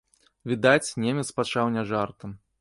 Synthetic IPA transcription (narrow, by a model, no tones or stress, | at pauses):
vʲid̪at͡sʲnʲemʲɛt̪spat͡ʂawnʲɛʐart̪ɐm